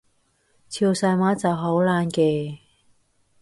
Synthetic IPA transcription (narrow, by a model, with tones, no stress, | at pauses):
t͡sʰiː˧wsaː˧jmaː˨˥t͡sɐ˨wɦo˨˥wlaː˧nkeː˧˩